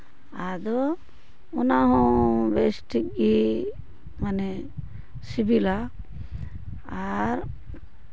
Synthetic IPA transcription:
ad̪ɔː | naɦɔ̃besʈik̚i | manɛ | sibila | ɾ

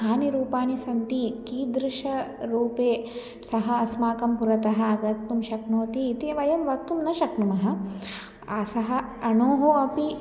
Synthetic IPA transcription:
aːniɾuːpaːnisɐnt̪ikiːd̪ɾɪʂɐɾuːpeː | sɐɦɐɐsmaːkɐmpuɾɐt̪ɐɦɐ̆ɐɡɐt̪numʃɐknoːt̪iːt̪iːʋɐjɐmʋɐt̪ːumnɐʃɐknumɐɦɐ̆ | ɐsɐɦɐ̆ | ɐnoːɦoɐpi

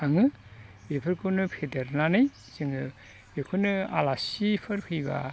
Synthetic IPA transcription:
aŋɯ | bepʰɯɾkʰɯnɯpʰedeɾnanɯj | sɯŋɯ | bekʰunɯa̰lasipʰɯɾpʰɯjba̰

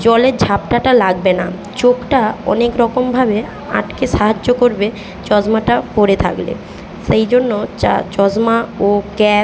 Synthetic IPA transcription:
d͡ʑɔleɾd͡ʑʱapʈaʈalaɡ̚bena | t͡ɕokʈaɔ̰nekɾɔkombʱabe | a̰ʈkeʃaɦad͡ʑːokoɾbe | t͡ɕɔd͡ʑmaʈapoɾet̪ʰa̰klḛ | ʃejd͡ʑonːot͡ɕa̰t͡ɕɔd͡ʑmaokɛ

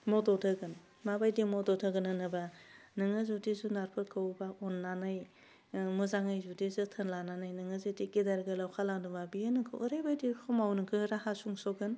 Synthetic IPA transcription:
mɔdɔtʰɯɡɯn | mabajdimɔdɔtʰaɡɯnɯnɯbanɯŋɯzudizunaɾpʰɯɾkawbaɔnːanɯj | muzaŋɯjzudizɯtʰɯnlananɯjnɯŋɯzɯtikidaɾɡɯlawkʰalaŋdumbabijɯnɯkʰɯʔːɾajbajdiɾkʰɔmawnɯkʰɯɾahasuŋsɔɡɯn

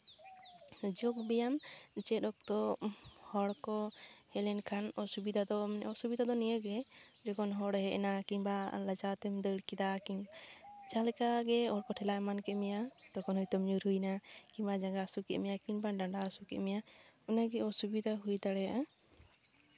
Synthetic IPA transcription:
d͡ʒɔk̚bɛjamt͡ʃɛɗɔk̚t̪ɔhɔɽkɔhɛlɛnkʰanɔsubid̪ad̪ɔɔsubid̪ad̪ɔnijəɡɛd͡ʒɔkɔnɦɔɽɦɛʔɛnakiɲbaləd͡ʒat̪ɛmd̪əɽkid̪akiɲd͡ʒalɛkaɡɛɔɽkɔʈʰɛlajmankɛmijat̪ɔkɔnhɔjt̪ɔmɲuɾujnakiɲbad͡ʒaŋɡasukɛʔ̪mijakiɲbaɖaɳɖasukɛʔ̪mijaɔnaɡɛɔsubid̪aɦujd̪aɽɛjaʔa

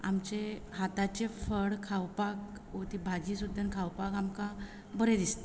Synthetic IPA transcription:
a̰mt͡ɕeɦat̪at͡ɕefəɽkʰawpakʋot̪ibʱad͡ʑisud̪ʱːənkʰawpakamkã | bəɾed̪ist̪e

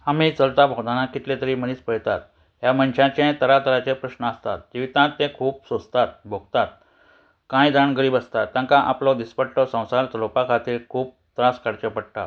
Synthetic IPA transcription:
amiːt͡səlt̪abʱoɡd̪anakit̪let̪əɾiːməɽ̃iːspəjt̪at̪̚ | jaməɳɕãt͡ɕẽt̪əɾat̪əɾat͡ɕẽpɾəɕnəəst̪a̰t̪̚d͡ʑiʋit̪ãt̪ːẽkʰuːpsost̪at̪̚bʱoɡt̪at̪ | kãjd̪aɳɡəɾiːbəst̪at̪ːjãŋkãʔaplɔd̪ispəʈʈɔsə̃w̃salt̪lopakʰat̪iːɾkʰuːp̚t̪ɾaskaɽt͡ɕepəɽʈ̪a̰

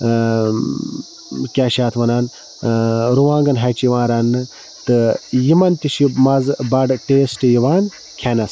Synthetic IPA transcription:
kʲaːʃaːt̪ʰʋɐnaːn | ɾuʋãːŋɡɐnɦɐt͡ʃjiʋãːɾɐnːɨ | t̪ɨjimɐnt̪iʃimɐzbɐɖʈeːsʈɨjiʋaːn | kʲʰeːnɐs

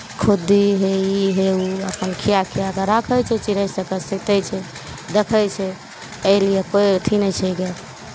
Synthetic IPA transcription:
kʰud̪iɦeiɦeuəpənkʰijakʰijakəɾəkʰəjt͡ʃʰɛt͡ʃiɾəsəkəsəkt̪ɛt͡ʃʰɛ | d̪ekʰəjt͡ʃʰɛ | əɪlijekot̪ʰinɛt͡ʃʰɛɡe

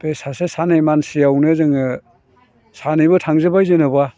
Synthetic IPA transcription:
besasesanejmansijawnɯzɯŋɯ | sanɯjbɯtʰaŋzɯbajzenɯba

